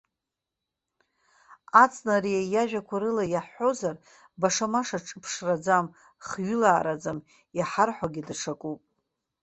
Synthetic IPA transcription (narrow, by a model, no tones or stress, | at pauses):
at͡sʼnaɾijajaʒᶣakʷʰaɾɨlajaħo̞zar | baʂamaʂaʈ͡ʂʼɨpʰʂrad͡zam | χɥʏʊlaːɾad͡zam | jaħarħʷaɡʲidʂʰakʼupʼ